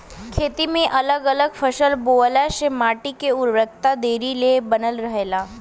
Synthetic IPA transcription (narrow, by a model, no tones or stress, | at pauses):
kʰet̪imẽʔələɡələɡfəɕəlbolaɕemaʈikeuɾʋəkt̪ad̪eɾilebənəlɾəɦela